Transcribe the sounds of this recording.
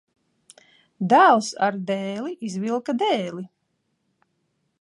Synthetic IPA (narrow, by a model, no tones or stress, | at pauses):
d̪æːlˠsa̰ɾd̪ɛːliʔizvilˠkad̪ɛːli